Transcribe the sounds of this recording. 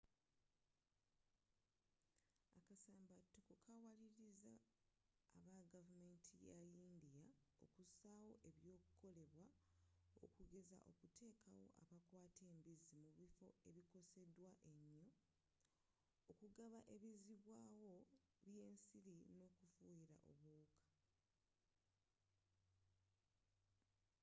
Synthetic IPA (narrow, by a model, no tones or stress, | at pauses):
akasaːmbatːokokʰawaliɾiza̰ː | βaɡavume̞ːntʰijaindijao̞̰kusawo̞ʔe̞βjo̞ːkuko̞le̞βwa | o̰kuɡe̞za̰ʔo̞̰kute̞ːkʰawo̞̰ʔa̰βakwaːte̞ːmbizimuβifo̞e̞βiko̞se̞dwaʔe̞ɲːo̞ | okuɡaβaʔe̞βiziβwaːwo̞ | βje̞ːnsiɾino̞ːkufujiɾa̰ʔo̞̰βuːkʰḁ